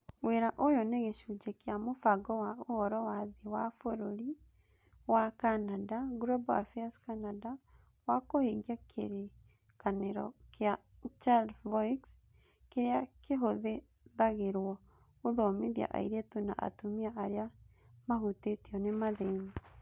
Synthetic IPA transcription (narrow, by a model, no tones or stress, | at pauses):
weɾaʔojɔneɣeʃud͡ʒekeamofaɡɔwaohɔɾɔwaðewafoɾoɾi | wakanadaɡɾɔba̰fiaskanada | wakoheɡjakʰḛɾe | kaneɾɔ̰keat͡ʃadvɔjks | keɾeakeɦoðe | ðaɣeɾwɔ | oðɔmeðja̰ʔa̰iɾetona̰ʔa̰tomiaʔaɾea | maɦutetiɔnemaðemi